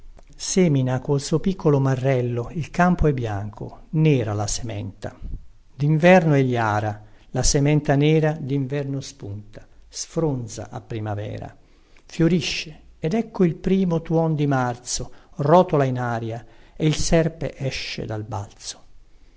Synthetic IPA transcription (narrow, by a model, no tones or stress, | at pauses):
sɛːminakolsuːpikʰːolʊmarːɛlːoilkampoɛbːjaŋkʰo̰nɛːɾalasemɛ̰nt̪a̰ | d̪iɱvɛrnoɛʎːjaːɾalasemɛnt̪anɛːɾad̪iɱvɛrnospunt̪ʰḁsfɾond̪za̰ʔa̰pːɾimavɛ̰ːɾa̰ | fjoɾiʃːeɛd̪ɛkːoilpɾiːmot̪wɔnd̪imart̪sorɔːt̪olainaːɾjaeilsɛrpḛʔɛʃːḛd̪alba̰lt̪so̥